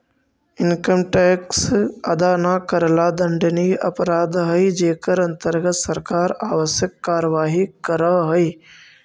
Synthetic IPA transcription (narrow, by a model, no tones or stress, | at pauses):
ɪnkəmʈeːksɐd̪aːnakəɾlaːd̪ɐ̃ɳɖniɐ̰pɾaːd̪ɦɐid͡ʒeːkəɾɐ̃nt̪əɾɡət̪sɐɾkaːɾaːʋəsjəkːaːɾəʋaːɦikəɾəɦɐiː